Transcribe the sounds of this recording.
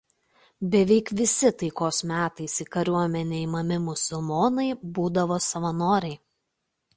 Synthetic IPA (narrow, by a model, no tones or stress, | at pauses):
bʲɛʋʲɛɪkʋʲɪsʲɪt̪ɐɪkoːsmʲæːt̪ɐɪsiːkɐɾʲuɔmʲɛnʲeɪmɐmʲɪmʊsʊlˠmoːnɐɪbuːd̪ɐʋoːsɐʋɐnoːɾʲɛɪ